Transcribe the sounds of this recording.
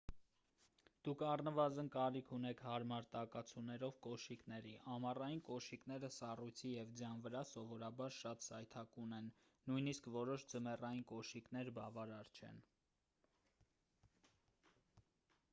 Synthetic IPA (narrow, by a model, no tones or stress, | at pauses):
d̪̥ukʰɑrnəvɑzənkɑɾikʰunɛkʰhɑɾmɑɾt̪ɑkɑt͡sʰunɛɾɔvkɔʃiknɛɾiʔɑmɑrɑjinkɔʃikn̪ɛɾəsɑrujt͡sʰijɛvd͡zjɑnvəɾɑsɔvɔɾɑbɑɾʃɑt̪sɑjt̪ʰɑkunɛnː | ujniskvɔɾɔʃd͡zəmɛrɑjinkɔʃiknɛɾbɑvɑɾɑɾt͡ʃʰɛ̰n